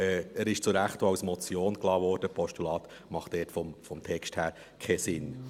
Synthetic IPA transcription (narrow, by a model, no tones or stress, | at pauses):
ɛæɾɪʃt͡sʊɾæχtɑʊsmɔt͡sjoːnklɑːvɔːɾd̥əpʰɔʃtulɑːt̪ | mɑχtd̥ɛːtfɔmfɔmtʰɛksthæːɾ | kʰɛsɪn